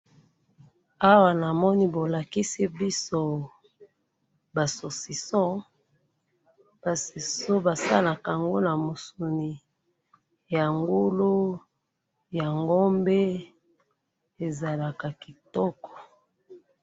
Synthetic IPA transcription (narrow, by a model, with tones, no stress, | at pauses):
a˦wa˨na˨mɔ˦ni˦bo˨la˨ki˦si˦bi˦so˦ | ba˨so˨si˨sɔ̃˦ | ba˨si˨so˦ba˨sa̰˦la˨ka˨ŋɡo˦na˨mo˨su˨ni˨ | ja˨ŋɡu˦lu˦ | ja˨ŋɡo˦mbe˦ | e˨za˨la˨ka˨ki˨tɔ˦kɔ̥˨